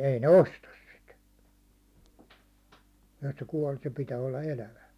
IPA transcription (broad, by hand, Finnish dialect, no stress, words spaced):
ei ne ostɑs sit et se kuɒl se pitæː olːɑ elæʋæ